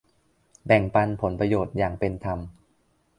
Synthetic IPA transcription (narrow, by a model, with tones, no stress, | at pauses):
bɛ˨˩ŋpa˧npʰo˩˦npɾa˧joː˨˩t̪̚jaː˨˩ŋpe˧nt̪ʰa˧m